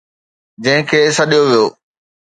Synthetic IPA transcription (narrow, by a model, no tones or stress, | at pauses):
d͡ʑɐ̃ɦɪ̃kʰeːsɐɗijoʋijoː